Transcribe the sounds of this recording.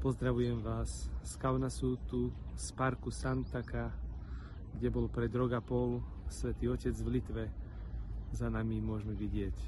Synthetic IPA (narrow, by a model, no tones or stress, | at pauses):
pɔzd̪ɾaʋujɛmʋaːsskaʊnasuːt̪uspaɾkusant̪aka | ɡɟɛbɔlpɾɛd̪ɾɔɡapɔl | sʋɛt̪iːɔcɛd͡zʋlit̪ʋɛ | zanamimʊɔʒmɛʋiɟɪɛc